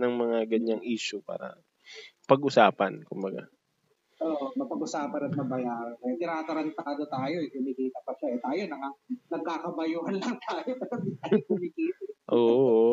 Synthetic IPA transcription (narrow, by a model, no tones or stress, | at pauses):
nɐŋmɐŋaɡɐɲaŋʔiːʃʊpa̰ːɾɐ̰ | pɐɡʔʊsaːpɐnkʊmbɐɡa̰ | ʔoːʔmɐpɐɡʔʊsaːpɐnɐt̪̚mɐbɐjaːɾɐnkɐjat̪ɪnaːt̪ɐɾɐnt̪aːd̪ot̪aːjoɛkʊmikiːt̪ɐpɐʃaɛt̪aːjonɐŋanɐɡ̚kːakɐbɐjuːhɐnlɐŋt̪ʰaːjopɐɾɐt̪ajokʊmikiːt̪aʔoːʔʔ